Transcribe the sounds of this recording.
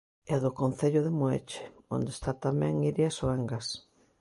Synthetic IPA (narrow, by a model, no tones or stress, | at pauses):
ɛðʊkonθeʎʊðɪmoḛt͡ʃɪ̥o̰nd̪est̪at̪amɛ̃ŋiɾjasoɛŋɡas